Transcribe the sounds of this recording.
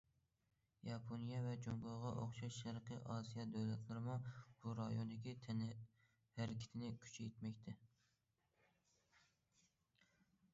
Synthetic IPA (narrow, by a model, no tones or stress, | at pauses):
jɑpʰonijɛvɛd͡ʒomboʁɑʔoχʃɑʃʃæɾqʰəʔɑːsijɑd̪æwlɛt̪ʰlˠɨɾɪmub̥uɾɑjond̪ɪkʲit̪ʰɛn | hæɾkʲʰi̥t̪ʰɪnɪkʲʰy̥t͡ʃʰɛjt̪mɛkʲt̪ʰɛ